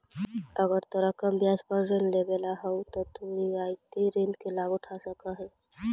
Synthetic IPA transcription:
əɡəɾt̪əɾəkəmbjaspəɾɾẽnlebelaɦɛut̪ɔt̪uiaːit̪eɾẽnd̪kelaːɡʊʈʰasəkaɦɛː

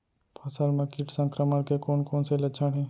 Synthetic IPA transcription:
pʰasəlmãːkiʈsə̃ŋkɾəməɽkekoːnkoːnselət͡ʃʰaɽɦĩː

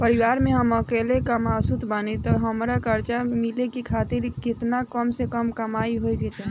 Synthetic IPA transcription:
pəɾiʋaɾmeɦəməkelekəmasut̪ʰbanet̪ɔɦəmɾakəɾt͡ʃamilekikʰat̪iɾkɪt̪nakəmsekəmkəmaiɦoiɡet͡ʃ̪a

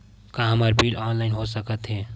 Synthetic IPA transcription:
kãɦəməɾpilɔnlaɪnɦosəkət̪ɦɛ

